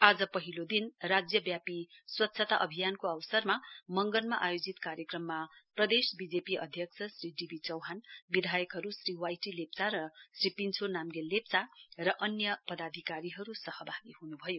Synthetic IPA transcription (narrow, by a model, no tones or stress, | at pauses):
ad͡zʌpʌɦilod̪inrad͡zjʌbjapiswʌt̪ːsʰʌt̪aʔʌbʱijankoʌwsʌrmamʌŋɡʌnmaʔajod͡zit̪kaɾjʌkrʌmːaprʌd̪esbid͡zepiʌ̰d̪ʱjʌksʰʌsriɖibʱit͡sʌwɦanbid̪ʱajʌkɦʌɾusriwajʈilep̚t͡saɾʌsripint͡sʰonamɡelept͡sarʌʔʌnjʌpʌd̪ad̪ʱikaɾiɦʌɾusʌhʌbʱaɡihunubʱʌjo